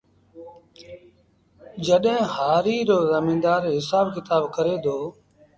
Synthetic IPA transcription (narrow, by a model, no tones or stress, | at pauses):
d͡ʒəɗɦẽːɦaːɾiːɾoːzəmĩːd̪aːɾɦɪsaːbkɪt̪aːbkəɾeːd̪oː